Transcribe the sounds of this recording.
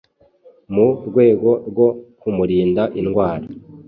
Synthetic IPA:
muɾɡwe̞ːɡo̞ɾɡo̞kumuɾiːndaʔinɡwaːɾa

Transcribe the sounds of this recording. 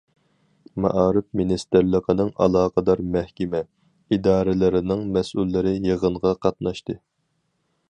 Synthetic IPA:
mɑ̰ʔɑːɾɨfminist̪ɪɾlˠəqʰənɨŋʔɑ̰lˠɑːqʰəd̪ɑɾmɛhkʲɛmɛ | id̪ɑːɾɪlˠɨɾɪnɪŋmɛsulːɪɾɪjəʁəɴʁɑqʰɑt̪̚nɑʃt̪ɨ

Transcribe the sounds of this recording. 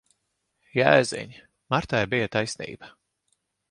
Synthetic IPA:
jæ̰ːzɛ̰ɲʲ | maɾt̪ajbijat̪ajsnḭːba

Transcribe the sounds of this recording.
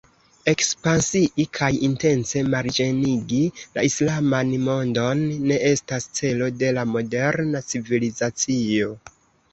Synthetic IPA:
e̞kspansiʔikʰajinte̞nse̞maɾd͡ʒe̞niɡila̰islamanmo̞ndo̞nːe̞ʔe̞stast͡se̞lo̞de̞lamo̞de̞ɾnat͡sivilizat͡sio̞

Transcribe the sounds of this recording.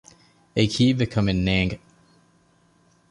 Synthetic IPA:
ekʰivɨkʰʌ̃mɨ̃nːæ̃ŋɡ

